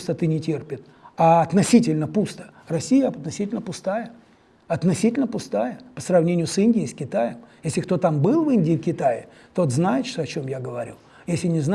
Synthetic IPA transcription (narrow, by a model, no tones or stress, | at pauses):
st̪ət̪ɨnʲɪtʲerpʲɪt̪ | aɐt̪nɐsʲitʲɪlʲnəpust̪ə̥ | rɐsʲijəɐt̪nɐsʲitʲɪlʲnəpʊst̪ajə | ɐt̪nɐsʲitʲɪlʲnəpʊst̪ajəpə̥srɐvnʲenʲɪjʊsɨnʲdʲɪɪskʲɪt̪ajəmjesʲlʲɪkt̪o̞t̪ambɨlˠvɨnʲdʲɪːkʲɪt̪aɪ̰ | t̪o̞t̪znajɪt̪ʂt̪oɐt͡ɕo̞mjaɡəvɐɾʲṵ | jesʲlʲɪnʲɪzn